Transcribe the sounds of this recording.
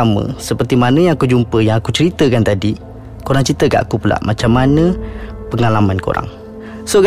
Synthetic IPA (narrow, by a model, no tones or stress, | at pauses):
amə̰̃səpərt̪imanə̃jãŋakud͡ʒumpəjaŋakut͡ʃəɾit̪əkant̪adi | koɾaŋt͡ʃəɾit̪əɡa̰ʔakupula̰ʔmat͡ʃamːanə̃pəŋalamanko̰ɾa̰ŋ | soɡ